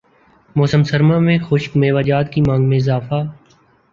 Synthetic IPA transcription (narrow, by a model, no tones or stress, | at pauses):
moːsəmsəɾmãmẽxʊʃkmeːʋaːd͡ʒaːt̪kimãːŋɡmẽɪzaːfaː